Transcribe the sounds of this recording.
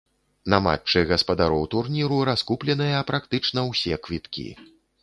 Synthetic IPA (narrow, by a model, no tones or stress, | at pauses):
nama̰t͡ʂːɨɣɐspɐd̪aɾɔwt̪urnʲiɾuɾaskuplʲɛnɨjɐːpɾakt̪ɨt͡ʂnɐwsʲɛkvʲit̪kʲḭ